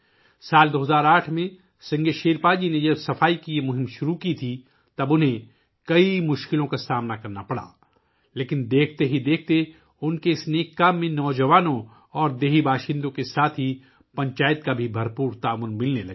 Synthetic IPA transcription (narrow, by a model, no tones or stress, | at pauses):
saːld̪oːɦɐzaːɾaːʈʰmẽ | sɐ̃ŋɡeʃeːɾpaːd͡ʒined͡ʒɐbsɐfaːikijemʊɦɪ̃mʃʊɾukit̪ʰi | t̪ɐbʊnɦẽ | kɐimʊʃkɪlõkasaːmnakɐɾnapɐɽa̰ː | leːkɪnd̪eːkʰt̪eɦid̪eːk̚ʰt̪e | ʊnkeɪsneːkːaːmːẽnɔːd͡ʒɐʋaːnõ | ɔːɾd̪eːɦibaːʃɪ̃nd̪õkesaːt̪ʰɦi | pɐ̃ɲt͡ʃaːjət̪kabʱibʱɐɾpuːɾt̪aːʋʊnmɪlnelɐ̰ɡ